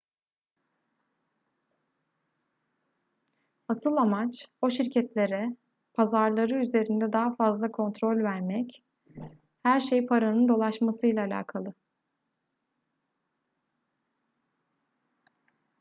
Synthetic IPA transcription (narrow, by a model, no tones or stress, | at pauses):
asɯlˠamat͡ʃo̞ʃiɾcʰɛt̪lʲe̞ɾɛ | pʰazaɾlˠaɾɯyze̞ɾind̪ɛd̪aɦafazlˠakʰo̞nt̪ʰɾo̞lʲvæɾmɛc | hæɾʃejpʰaɾanɯnd̪o̞lˠaʃmasɯjlʲˠaːlʲa̰ːkʰalˠɯ